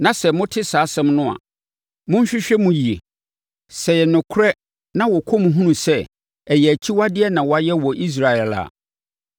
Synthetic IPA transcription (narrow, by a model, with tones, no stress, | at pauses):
nã˨sɛ˨mʊ̃˦tʰɪ˦saː˨˦sɛ̃˦mnʊ̃˦a̰˨ | mʊ̃˦ɲ̩˦ɕᶣɪ˦ɕᶣɛ˦mũ˨ji˨e˨ | sɛ˨jɛ˨nʊ̃˨kʰʊ˦ɾɛ˦ | nã˦wɔ˨kʰɔ˦m̃˨ɦũ˦nũ˨sɛ˦ | ɛ˨jɛ˨æ˨t͡ɕʰi˦wa˦dɪ˦ɛ˦nã˨wɔ˨a˨jɛ˦wɔ˨ʔi˦s̬ɾa˨ɛ˨la̰˨